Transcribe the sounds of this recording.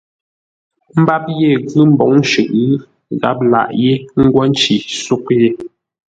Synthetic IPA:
m̩˦ba˦p̚je˦˨ɣʉ˦m̩˨bɔ˨˦ŋn̩˦ʃʉ˨ʔ | ɣa̰˨˦p̚la̰˨ʔje˦ŋ̩˦ɡwɔ˦n̩˦t͡ʃi˨su˦kje˦

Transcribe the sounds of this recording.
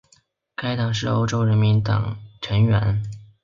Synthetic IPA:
kʰa˥ɪt̪ɑ˨˩ŋʂ̬ɻ̩˥˩o˥ʊʈ͡ʂo˥ʊɻə˧˥nmi˧˥nt̪ɑ̰˨˩ŋʈ͡ʂʰə˧˥ŋɥɛ˧˥n

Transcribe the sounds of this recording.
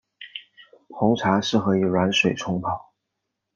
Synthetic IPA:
pʰʊ˧˥ŋʈ͡ʂʰa˧˥ʂɻ̩˥˩xɤ˧˥i˧˩ɻwa˧˥nʂwe˨˩ɪʈ͡ʂʰʊ˧˥ŋpʰɑ˨˩˦ʊ

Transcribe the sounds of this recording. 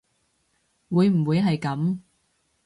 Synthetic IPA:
wuː˨˧jm̩˨˩wuː˨˧jɦɐ˨jkɐ˨˥m

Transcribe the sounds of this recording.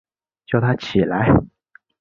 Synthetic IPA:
t͡ɕjɑ˥˩ʊt̪ʰa˥t͡ɕʰi˨˩la˧˥ɪ

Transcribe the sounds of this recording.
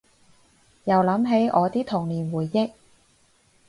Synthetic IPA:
jɐ˨˩wlɐ˨˥mɦe˨˧˥jʔɔː˨˧t̪iː˥t̪ʰʊ˨˩ŋliː˨˩nwuː˨˩jːɪ˥k̚

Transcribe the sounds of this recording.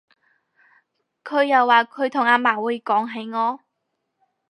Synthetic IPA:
kʰɵ˨˧ɥjɐ˨wːaː˨˩kʰɵ˨˧ɥt̪ʰʊ˨˩ŋaː˨˧maː˨˩wuː˨˧jkɔː˨˥ŋɦe˨˥jŋɔː˨˧

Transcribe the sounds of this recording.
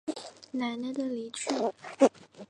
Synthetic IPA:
na˧˥na˥d̪ə˨li˧˥ʈ͡ʂʰu˥˩˨

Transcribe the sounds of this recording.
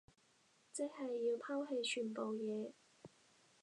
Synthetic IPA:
t͡sɪ˥k̚hɐ˨jːiː˧wpʰaː˥wɦe˧jt͡ʃʰyː˨˩npo˨wjɛː˨˧

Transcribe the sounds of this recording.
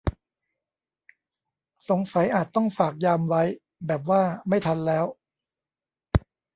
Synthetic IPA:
so˩˦ŋsa˩˦jʔaː˨˩t̪ːɔ˥˩ŋfaː˨˩k̚jaː˧mwa˦˥j | bɛː˨˩p̚waː˥˩ma˥˩jt̪ʰa˧nlɛː˦˥w

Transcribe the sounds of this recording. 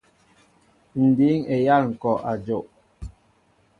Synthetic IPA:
n̩˨di˨˦ŋe˨ja˦˨lŋ̩˨kɔ˨ʔa˨d͡ʒo˨ʔ

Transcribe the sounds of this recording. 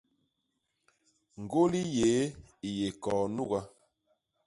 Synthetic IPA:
ŋ̩˨ɡo˦li˦jeː˨˦i˨je˨kɔː˨nu˦ɣa˦

